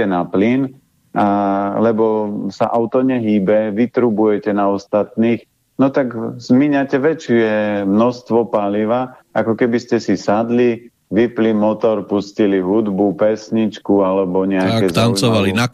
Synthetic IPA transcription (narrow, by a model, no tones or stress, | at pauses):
ɛnaplin | alɛbɔsaʔaʊt̪ɔɲɛɦiːbɛʋit̪ɾubujɛcɛnaɔst̪at̪niːx | nɔt̪aɡzmiɲacɛʋɛt͡ʃɛmnɔst̪ʋɔpaliʋa | akɔkɛbiscɛsisad̪li | ʋiplimɔt̪ɔɾpusciliɦud̪bupɛsɲit͡ʃkualɛbɔɲɛakkɛzt̪anɔʋalina